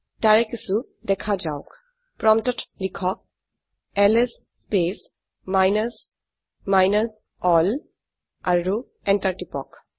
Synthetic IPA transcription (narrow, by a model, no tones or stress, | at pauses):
taɹɛkisu | dɛkʰad͡ʒawk | pɹɔmtɔtʰlikʰɔk̚ | ɛlesːpes | majnas | majnas | ɔl | aɹu | ɛntaɹtipɔ̰k